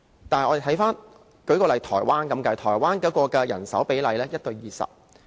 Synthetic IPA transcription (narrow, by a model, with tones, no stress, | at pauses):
t̪aː˨nɐ˨jʔɔ˨˧de˨t̪ʰɐ˨˥jfaː˥n | kɵ˨˥ɥkɔː˧lɐ˨jt̪ʰɔ̰ː˨˩jwaː˥nkɐ˨˦mkɐ˧t̪ʰɔː˨˩jwaː˥nkɛ˨˥kɔː˧kɛ˧jɐ̰˨˩nsɐ˨˥wpe˨˥jlɐ˨˧jlɛː˥jɐ˥t̚t̪ɵ˧ɥjiː˨˧sɐ̰˨p̚